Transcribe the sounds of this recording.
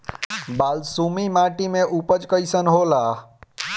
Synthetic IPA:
baːlsumimaʈimẽʔupət͡ʃkəjsənɦola

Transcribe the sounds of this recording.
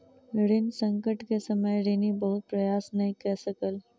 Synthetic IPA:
ɾɪnsɐ̃ŋkəʈkesɐməjɾeːnibɐɦʊt̪̚pɾɐjaːsnɐɦĩkɐɾsɐkəl

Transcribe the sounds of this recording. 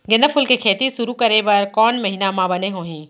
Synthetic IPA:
ɡɪ̃nd̪əfʊlkekʰeːt̪isʊɾukɐɾebɐɾkɔːnmɐɦinamãbɐneɦoːɦĩː

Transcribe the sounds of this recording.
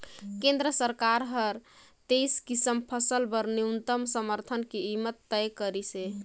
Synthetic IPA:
kẽnd̪ɾəsəɾkaɾɦəɾ | t̪ejskisəmpʰəsəlbəɾniunt̪əmsəməɾt̪ʰənkeimət̪ːəjkəɾise

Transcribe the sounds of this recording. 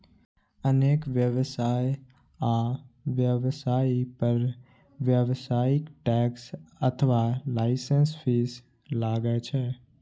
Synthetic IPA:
əneːkʋjəʋsaːj | aːʋjəʋsaːipəɾ | ʋjəʋsaːɪkʈɛːksət̪ʰəʋalaːɪsənspʰiːs | laːɡət͡ʃʰɛ

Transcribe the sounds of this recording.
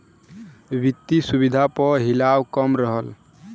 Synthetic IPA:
ʋit̪ːisuβid̪ʱapəɦilawkəmɾəɦəl

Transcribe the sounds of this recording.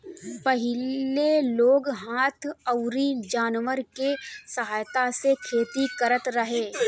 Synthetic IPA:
pɐɦɪlleloːɡɦaːt̪ʰəʊɾid͡ʒaːnʋəɾkesɐɦaːjt̪asekʰeːt̪ikɐɾət̪ɾəɦeː

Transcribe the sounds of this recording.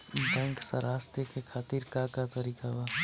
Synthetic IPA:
bɛ̃ːŋksə̰ɾaːst̪ekekʰaːt̪iːɾkakat̪əɾiːkaʋa

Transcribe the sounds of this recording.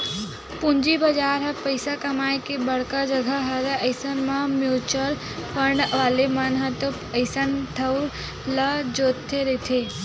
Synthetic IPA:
pund͡ʒibəd͡ʒaɾɦəpəɪsakəmaːjkebəɽ̤kad͡ʒəɡʱəɦəɾeəɪsənmamjut͡ʃəl | pəɳɖʋaːlemənɦət̪o | əɪsənʈ̪ʰəwɾ | ləd͡ʒot̪ʰːeɾət̪ʰe

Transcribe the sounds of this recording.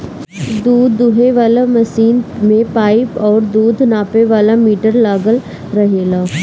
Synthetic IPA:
d̪uːd̪ːʊɦeʋaːlamɐsiːnmẽpaːipɔːɾd̪uːd̪ʱnaːpeʋaːlamiːʈəɾlaːɡəl | ɾɐɦeːlaː

